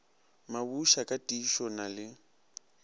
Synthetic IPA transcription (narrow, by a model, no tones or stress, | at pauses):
mabuʃakʼatʼiʃɔnalɪ